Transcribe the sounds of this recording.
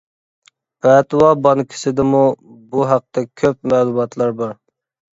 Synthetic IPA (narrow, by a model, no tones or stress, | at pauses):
pɛt̪wɑbɑnkʲʰɪ̥sɪd̪ɪmu | buɦæq̚t̪ɛkʲʰøpmɛːlˠumɑt̪ʰlˠɑɾbɑɾ